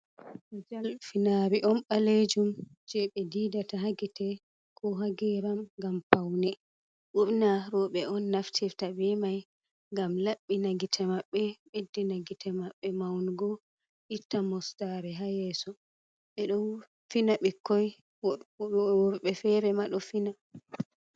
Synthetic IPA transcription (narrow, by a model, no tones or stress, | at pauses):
d͡ʒalfinaɾiʔɔnɓaled͡ʒumd͡ʒɛɓɛdidataɦaɡitɛ | kʰɔɦaɡɛɾamɡampawnɛ | ʔuɓnaɾɔɓɛɔnːaftʰiɾtabɛmaj | ŋɡamlaɓːinaɡitʰamaɓːɛɓedːinaɡitʰamaɓːɛmawnɡɔ | ʔitːamɔstaɾɛɦajɛːsɔ | ɓɛɗɔ | finaɓikːɔj | wɔɾɓɛfɛɾɛmaɗɔfina